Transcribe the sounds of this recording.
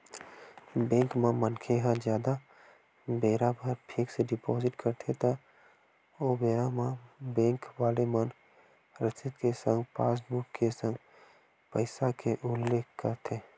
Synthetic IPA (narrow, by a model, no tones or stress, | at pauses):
bẽːŋkmãmənkʰeɦãd͡ʒjaːd̪a | beːɾabʱəɾʈʰɪkseɖɪpɔːzɪʈkəɾt̪ʰet̪ə | obeːɾamãbẽːŋkʋaːlemən | ɾɪt̪ɪt̪kesə̃ŋɡpaːs̬bʊkkːesə̃ŋɡ | pəɪsakeʔʊlːeːkʰkəɾt̪ʰeː